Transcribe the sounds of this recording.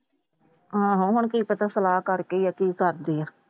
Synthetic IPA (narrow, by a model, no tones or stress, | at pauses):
ɦãːɦʊɦʊɳkiːpət̪aːsəlaːkəɾkeːaːkiːkəɾd̪eːaː